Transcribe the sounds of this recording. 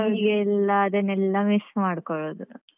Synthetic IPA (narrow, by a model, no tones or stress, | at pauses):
ɐɡeilːɐːd̪ɐnɛlːɐmismaːɽkɔɭoːd̪u